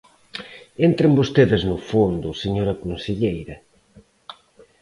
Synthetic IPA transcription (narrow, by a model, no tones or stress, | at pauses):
ent̪ɾɪmbost̪eðɪznʊfond̪ʊseɲoɾɐkonseʎejɾɐ